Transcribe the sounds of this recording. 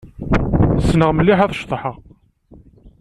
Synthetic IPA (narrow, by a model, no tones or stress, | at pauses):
snəʁməlːiħæðˤʃt̪ˤəħəʁ